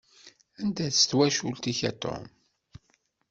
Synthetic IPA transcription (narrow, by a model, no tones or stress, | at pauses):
ænd̪æθst̪wæʃult̪içæt̪ːo̰m